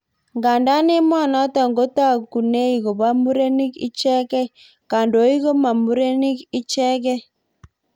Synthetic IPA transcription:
ŋɡa˨nda˦nɪ˦mwa˦˨nɔ˨˦tɔ˨ŋɡo˦ta˦˨ku˨ne˦i˨ɣo˨ba˦mu˦ɾe˦ni˦kḭ˦t͡ʃɛ˦kɛ˦ | ka˨ndo˨˦i˦ɣo˦ma˨mu˨˦ɾe˦ni˦ki˦t͡ʃɛ˦kɛ˦

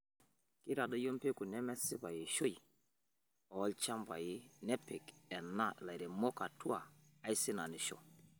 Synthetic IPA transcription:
kɪ˦ɾa˨dɔ˦jo˦m˦pe˦ku˨nɛ˦mɛ˦sɪ˦βa˨jɪ˨ʃo˦i˨ | ɔ˨˦lt͡ʃa˦mba̰˨jɪ˦nɛ˦pɪ˨kɛ˨na˦˨la˨i˨ɾɛ˨mɔ˦ka˨tu˦a˨ | a˦i˦sɪ˦na˨nɪ˨ʃɔ̰˨

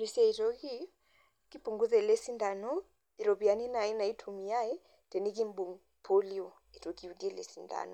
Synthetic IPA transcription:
ɾi˨si˦a˦i˨tɔ˦ki˦ | ki˦pu˨ŋɡu˦zɛ˨lɛ˦si˦nda˨nɔ˦ | i˨ɾɔ˨bi˨a˨ni˦na˨i˦na˨i˦tʰu˨mi˨a˦ɛ˦ | tɛ˨ni˦ki˦m˦bu˨ŋ | pʰɔ˦liɔ˨ | i˨to˨ki˦˨u˨dɛ˦˨lɛ̰˨si˨nda̰˨nɔ˨

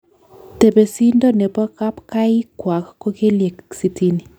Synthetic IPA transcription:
te˨be˨si˦ndɔ˦nɛ˨pɔ˦ka˦pka˦i˦kwa˨kːo˦ke˦lje˨ksi˦ti˦ni˨

